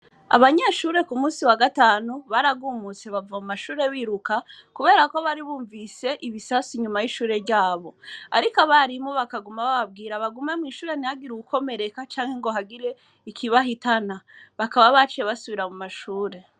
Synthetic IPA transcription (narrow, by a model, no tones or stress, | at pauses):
a̰βaɲeʃuːɾe̞kumuːsiwaɡataːnuβaɾaɡuːmut͡se̞βavamumaʃuːɾe̞βiɾukakuβe̞ːɾako̞βaɾiβuːɱvise̞ʔiβisasiɲumajiʃuːɾe̞ɾɟaːβo̞a̰ɾikaβaɾimoβakaɡumaβaβab̚ɡiːɾaβaɡumemŋiːʃuːɾeniaɡiɾuukʰo̞me̞ɾe̞kat͡ʃaːŋhe̞ŋɡo̞ɦaɡiɾe̞ | ikʰiβaɦitanaβakaβaβat͡ʃijeβasuβiɾamumaʃuːɾe̞